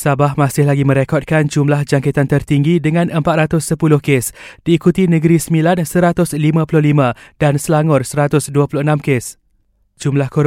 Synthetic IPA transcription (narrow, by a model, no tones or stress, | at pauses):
sabahmasɪhlaɡimə̃ɾekɔt̚kand͡ʒumlahd͡ʒaŋket̪ant̪ərt̪iŋɡidəŋãnʔəmpat̪ɾat̪ʊsːəpulʊhkesd̥iːkut̪inə̃ɡəɾisəmilansəɾat̪ʊslimãpulʊhlimãdansəlaŋʊrsəɾat̪ʊsduapulʊhənãmkes | d͡ʒumlahkoɾ